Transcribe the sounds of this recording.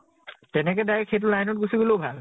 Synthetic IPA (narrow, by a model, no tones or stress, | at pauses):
tɛnɛkɛdaɹɛkxejt̬ulajnɔt̚ɡusiboloʊbʱal